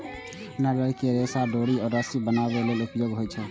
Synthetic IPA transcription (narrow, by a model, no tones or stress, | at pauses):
naɾəjkeɾesaɖoɽiɔːɾːəsibənabelelʊpjoːɡɦojt͡ʃʰɛ